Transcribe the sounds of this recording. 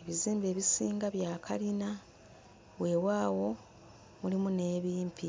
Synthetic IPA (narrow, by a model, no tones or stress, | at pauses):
eβiziːmbe̞ːβisiːŋɡaβjaːkʰa̰lina | we̞ːwaːwo̞ | mulimune̞ːβiːmpʰi